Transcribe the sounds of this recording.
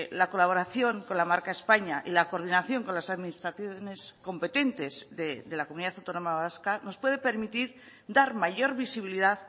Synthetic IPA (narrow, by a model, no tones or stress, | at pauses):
lako̞laβ̞o̞ɾaθjo̞ŋko̞nlamaɾkaespaɲaʔilako̞ɾð̞inaθjo̞ŋko̞nlasaðminist̪ɾaθjone̞sko̞mpe̞t̪e̞nt̪e̞zðeðe̞lakomuniðaθawt̪o̞no̞maβaskano̞spwe̞ð̞e̞pe̞ɾmit̪iɾ | d̪aɾmaʝo̞ɾβisiβ̞iliðað